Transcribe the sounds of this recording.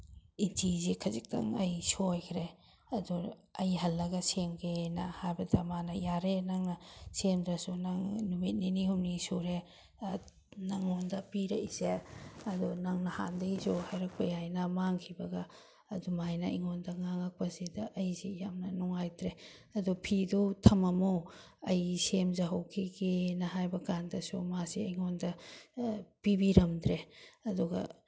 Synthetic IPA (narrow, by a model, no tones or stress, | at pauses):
intʰizikʰɐzik̚tɐ̰ŋɐjsojkʰɾe | ɐduɐjɦɐlːɐɡɐsemɡenɐhajbɐdɐmanɐjaɾenaŋnɐsemdɐsunaŋnumit̚ninihumnisuɾe | naŋːondɐpiɾeizeɐdunaŋnɐha̰ndɐisuhajɾɐk̚pɐjajnɐmaŋkʰibɐɡɐː | dumajnɐiŋondɐŋaŋak̚pɐzedɐʔɐjzejamnɐnuŋajtɾeɐdupʰidutʰɐmɐmu | ɐjsemzaɦɐwkʰiɡenɐɦajbɐkandɐsṵmasiɐjŋondɐ | pibiɾɐmd̪ɾeɐduɡɐ̰